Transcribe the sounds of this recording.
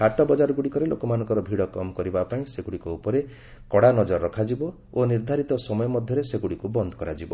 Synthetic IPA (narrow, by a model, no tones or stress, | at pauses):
kʰaʈɔbɔd͡ʒaɾɔɡuɽikɔɾelokɔmanɔŋkɔɾɔbʱiɽɔkɔmɔkɔɾibapaĩseɡuɽikɔupɔɾe | kɔɽanɔd͡ʒɔɾːɔkʰad͡ʒibɔ | oniɾd̪ʱaɾit̪ɔsɔmɔjɔmɔd̪ʱjɔɾeseɡuɽikubɔnd̪ʱɔ̥kɔɾad͡ʒibɔ